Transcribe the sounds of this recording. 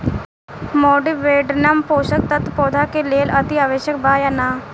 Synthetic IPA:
mɔːɖɪʋeːɖnampoːʃək̚t̪ət̪pɔːd̪ʱakeleːlɐt̪iaːʋeːʃjəkbaːjanaː

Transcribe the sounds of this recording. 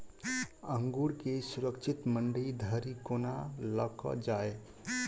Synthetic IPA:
əŋɡuɾkesuɾəkt͡ʃʰit̪məɳɖəid̪ʱəɾikonaləkɔ̰d͡ʒae

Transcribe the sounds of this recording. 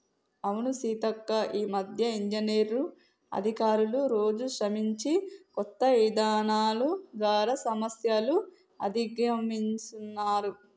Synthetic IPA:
ɐwunusiːt̪ɐkːɐʔiːmɐd̪ʱjɐiɲd͡ʒineːɾu | ɐ̰d̪ʱikaːɾuluɾo̞ːd͡ʒukʂɐmiɲt͡ʃikɔt̪ːɐʋid̪aːnaːluɡ̪aːɾɐsɐmɐsjɐlu | ɐ̰d̪ʱiɡɾɐmiɲt͡ʃunːaːɾu

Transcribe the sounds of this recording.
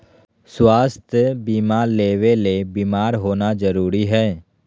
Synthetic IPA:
swaːst̪ʰjəbiːmaːɾleːʋelebiːmaːɾɦoːnad͡ʒəɾuːɾiɦɛː

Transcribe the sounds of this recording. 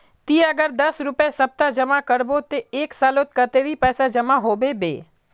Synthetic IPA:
t̪iːɐɡəɾd̪ɐsɾʊpesɐb̚t̪ad͡ʒɐmakəɾbot̪eeːksaːlot̪̚kət̪eɾipɛːsad͡ʒɐmaɦoːbebḛː

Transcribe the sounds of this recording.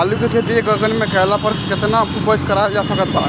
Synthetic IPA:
alukekʰed̪ekəɡənmẽkəelapəɾket̪naubəkkəɾajasəkət̪̚baɾa̰

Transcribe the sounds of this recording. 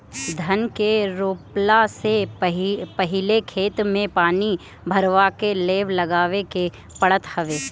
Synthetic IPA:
d̪ʱɐnkeɾoːplaseɦpɐɦɪlekʰeːt̪mẽpaːni | bʱɐɾʋakeleːʋlɐɡaːʋeke | pɐɽət̪hɐʋeː

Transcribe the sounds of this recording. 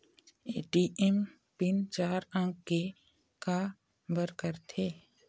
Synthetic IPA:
eːʈiʔɛm | pɪnt͡ʃaːɾə̃ŋkːe | ka | bəɾkəɾt̪ʰeː

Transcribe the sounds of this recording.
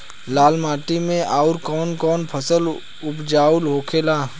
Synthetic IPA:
laːlmaːʈimẽʔaːʊɾkɔːnkɔːnpʰəsəl | ʊpd͡ʒaːulɦoːkʰeːlaː

